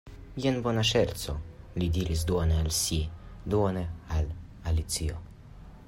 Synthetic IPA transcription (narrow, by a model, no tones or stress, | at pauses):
jenbo̞naʃeɾt͡so̞ | lid̪iɾʔis̬d̪uonealsid̪uoneal | alit͡sio̰